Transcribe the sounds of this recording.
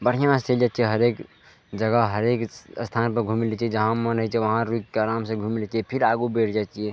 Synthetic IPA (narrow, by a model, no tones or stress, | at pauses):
bəɽ̤ʰjãmãst̪eld͡ʒaːt͡ʃieɦəɾeːk | d͡ʒəɡəɦəɾeːkst̪ʰaːnpəɾɡʱuːmilet͡ʃied͡ʒəɦãmːənɦət͡ʃieʋɐɦãɾukkeaɾaːmsẽɡʱumilet͡ʃiepʰiɾaːɡubeːʈʰd͡ʒaːt͡ʃie